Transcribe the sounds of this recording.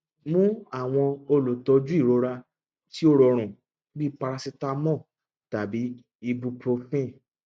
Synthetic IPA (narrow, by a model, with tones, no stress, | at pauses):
mũ˦a˦˨w̃ɔ̃˧o˧lo˨tɔ˧d͡ʒu˦i˦˨ɾo˨˦ɾa˧ | ti˦o˦ɾɔ˧ɾ̃ũ˨ | bi˦pa˧ɾa˧si˧ta˧mɔ̃˦˨ | ta˨bi˨˦ | i˧bu˧pɾo˧fĩ˦˨